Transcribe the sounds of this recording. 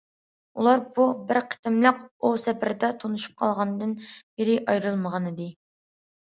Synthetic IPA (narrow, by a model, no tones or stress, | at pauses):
ulˠɑɾbubɪɾqʰə̥t̪ɪmlˠəq̚usɛpɪɾɪd̪ɛt̪ʰonuʃu̥p̚qʰɑlˠʁɑnɨd̪ɨnbɪɾɪʔɑjɾɨlˠməʁɑnɨd̪ɨ